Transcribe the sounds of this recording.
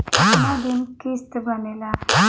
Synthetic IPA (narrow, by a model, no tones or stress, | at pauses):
mad̪imkist̪bənela